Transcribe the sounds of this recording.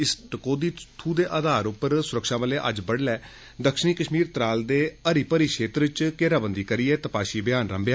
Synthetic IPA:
ɪsʈəkoːd̪iːt̪ʰuːd̪eːʔaːd̪aːɾʊpːəɾsʊɾəkʃãːʋəleːʔə̰d͡ʒbəɽlɛː | d̪əkʃəɳiːkəʃmiːɾt̪ɾaːld̪eːəɾiːpəɾiːkeːt̪ɾɪt͡ʃkeːɾaːbənd̪iːkəɾiːɛːt̪əpaːʃiːbɪjaːnɾə̰mbjaː

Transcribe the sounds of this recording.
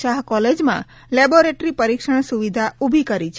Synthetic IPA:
ʃaɦkɔled͡ʒmã̰ | lɛboɾeʈɾipəɾikʃəɳ̃suʋid̪ʱaʔubʱikəɾit͡ʃʰ

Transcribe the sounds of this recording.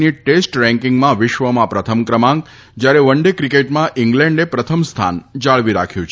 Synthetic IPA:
niʈesʈɾɛ̃ŋkɪŋɡmãʋɪʃʋəmãpɾət̪ʰəmkɾəmãŋɡ | d͡ʒjaɾeʋəɳɖekɾikeʈmãʔɪŋɡlɛ̃ɳɖepɾət̪ʰəmst̪ʰa̰nd͡ʒaɭʋiɾakʰjũt͡ʃʰ

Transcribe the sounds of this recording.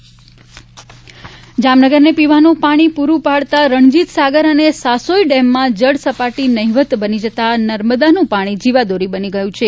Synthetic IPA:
d͡ʒamnəɡəɾnepiʋanũpaɽ̃ipuɾũpaɭt̪aɾəɳd͡ʒit̪saɡəɾənesasoiɖɛmːãd͡ʒəɽsəpaʈinəɦiʋət̪bənid͡ʒət̪anəɾməd̪anũpaɽ̃id͡ʒiʋad̪oɾibəniɡəjũt͡ʃʰe

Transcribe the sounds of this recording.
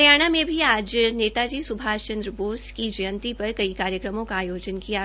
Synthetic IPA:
jaːɽ̃amẽbʱiaːd͡ʒneːt̪ad͡ʒiːsʊbʱaːt͡ʃə̃nd̪ɾəboːskid͡ʒɐjə̃nt̪ipɐɾkɐikaːɾjəkɾəmõkaːjoːd͡ʒənkija

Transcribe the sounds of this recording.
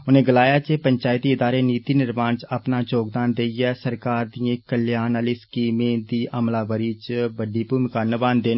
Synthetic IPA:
ʊnẽːɡəlaːjaːt͡ʃepəɲt͡ʃaːɪt̪iɪd̪aːɾeniːt̪iːnɪɾmaːnt͡ʃəpnaːt͡ʃoːkd̪aːnd̪eːiɛːsəɾkaːɾd̪iːẽkəljaːnəliskiːmẽːd̪iːʔəmlaːbəɾiːt͡ʃbəɖiːpumkanəbãːnd̪eːn

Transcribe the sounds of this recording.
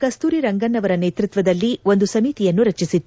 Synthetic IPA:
kɐst̪uːɾiɾɐŋɡɐnːɐʋɐɾɐneːt̪ɾit̪ʋɐd̪ɐlːio̞nd̪usɐmiːt̪ijɐnːuɾɐt͡ʃisit̪ːu

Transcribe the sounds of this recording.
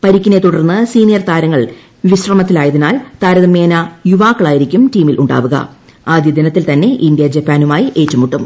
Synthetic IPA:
pɐɾikʲːine̞t̪uɽɐrnːɨsiːnijɐrt̪aːɾɐŋːɐɭ | ʋiɕrɐmɐt̪ːilaːjɐðinaːlt̪aːɾɐðɐme̞ːnɐjuʋaːkːɐɭaːjiɾikʲːumtiːmilʔuɳɖa̰ːʋuɣɐ̰ | aːd̪jɐd̪ɐnɐt̪ːilt̪ɐnːe̞ʔindjɐd͡ʑepːaːnumaːjiʔe̞ːtːumuʈːum

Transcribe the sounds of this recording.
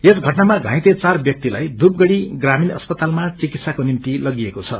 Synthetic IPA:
esɡʱʌʈnamaɡʱãj̃t̪et͡sarbjʌk̚t̪ila̰jd̪up̚ɡʌɽiɡraminʌ̰spʌt̪almat͡sikit̪sakonimt̪ilʌɡiekot͡sʰʌ

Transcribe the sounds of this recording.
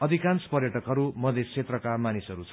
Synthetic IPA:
ʌd̪ʱikant͡spʌɾjʌʈʌkɦʌɾumʌd̪ʱest͡sʰet̪rʌkamanisʌɾut͡sʰʌ

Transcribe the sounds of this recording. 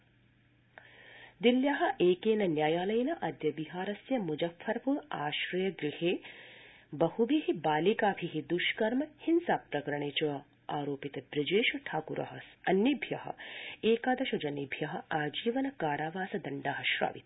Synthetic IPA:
d̪iljaɦɐ̆ʔeːkeːnɐnjaːjaːlɐjɐnɐʔɐd̪jɐbiɦaːɾɐsjɐmud͡ʒɐfʰːɐɾpuaːʃɾɐjɐɡɾiheː | bɐhubiɦibaːlikaːbʱiɦid̪uʃkɐɾmɐhinsaːpɾɐkɐɾɐɳeːt͡ʃɐʋɐ | aːɾoːpit̪ɐbɾid͡ʒeːʃɐʈʰaːkuɾʔɐ̰ɦɐsɐnjibʱjɐhɐ̰̆eːkaːd̪ɐʃɐd͡ʒɐnibʱjɐɦɐ̆aːd͡ʒiːʋɐnɐkaːɾaːʋaːsɐd̪ɐɳɖaːɦɐʃɾa̰ːʋḭt̪

